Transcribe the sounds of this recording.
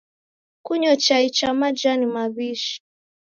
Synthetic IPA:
kuɲɔt͡ʃait͡ʃamad͡ʒanimaβiʃi̥

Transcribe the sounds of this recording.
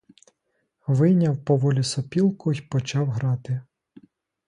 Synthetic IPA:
ʋɪjnʲɐwpɔʋɔlʲisɔpʲilˠkʊjpɔt͡ʃɑwɦɾɑt̪ɪ

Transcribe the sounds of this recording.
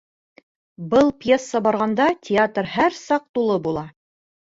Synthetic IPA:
bɤlˠpjesːɑbɑɾʁɑnd̪ɑtʲɪat̪rhæɾsɑq̚t̪ulˠɤbulˠɑ

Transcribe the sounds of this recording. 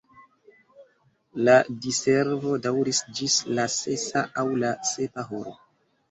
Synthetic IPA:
ladiseɾvo̞dawɾisd͡ʒislase̞saʔawlase̞paɦoɾo

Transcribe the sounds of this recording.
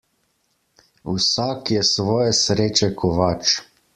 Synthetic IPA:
wsaːkjɛsʋɔːjɛsɾeːt͡ʃɛkʰɔʋat͡ʃ

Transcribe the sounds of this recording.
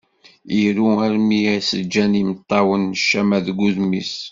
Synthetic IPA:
iɾuæɾmijæsəd͡ʒːænimət̪ˤːɑwənːʃːæmæðɡuðmis

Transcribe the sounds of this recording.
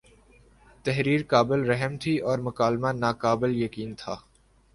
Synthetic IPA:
t̪ɛɦɾiːɾkaːbɪlɾɛɦmt̪ʰiɔːɾmʊkaːlmanaːkaːbɪljɐkiːnt̪ʰaː

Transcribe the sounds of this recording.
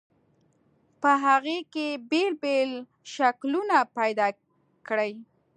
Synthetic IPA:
pəɦaɣekebelbel | ʃaklunapajd̪ɑ | kɽəj

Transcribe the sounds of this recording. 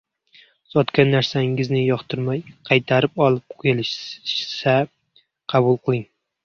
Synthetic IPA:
z̥ɒt̪kʲanːaɾsaɪŋɪznɪjɒχt̪ʰɪɾmajqʰɑjt̪ʰaɾɪpɒlˠɪp̚qʰɪlɪʃsa | qʰɑbʊlˠqʰɨlˠɪŋ

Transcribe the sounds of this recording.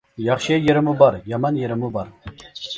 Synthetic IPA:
jɑχʃɪjeɾɪmubɑɾjɑmɑnjeɾɪmubɑɾ

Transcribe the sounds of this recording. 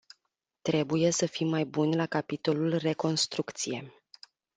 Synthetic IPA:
t̪ɾe̞buje̞səfimːajbunʲlakapit̪o̞lulre̞ko̞nst̪ɾukt̪sije̞̰

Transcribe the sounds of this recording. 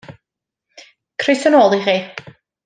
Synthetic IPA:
kʰrɪsənoːlˠiχiː

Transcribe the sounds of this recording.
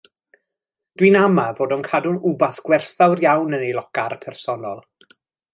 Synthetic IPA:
d̥winamavoːdɔnkʰadʊnubaθɡ̥wɛrθawrjawnənejlˠɔkarpʰɛrsɔnɔlˠ

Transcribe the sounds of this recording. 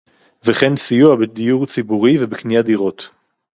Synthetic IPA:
veχensijuabed̪ijuʁt͡sibuʁivebeknijad̪iʁo̞t̪

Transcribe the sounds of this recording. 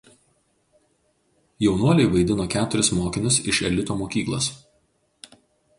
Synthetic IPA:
jɛʊnuɔlʲɛɪʋɐɪd̪ʲɪnoːkʲæːt̪ʊɾʲɪsmoːkʲɪnʲʊsɪʃɛlʲɪt̪oːmoːkʲiːklˠo̰ːs

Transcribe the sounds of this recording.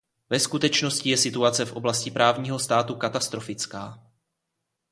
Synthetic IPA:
vɛskut̪ɛt͡ʃno̞scɪjɛsɪt̪uat͡sɛfʔo̞blascɪpɾʔaːvɲiːɦo̞st̪aːt̪ukat̪ast̪ɾo̞fɪt͡skaː

